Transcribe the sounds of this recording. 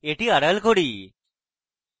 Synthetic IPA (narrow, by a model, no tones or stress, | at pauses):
eʈiːəɽəlkʰoɽiː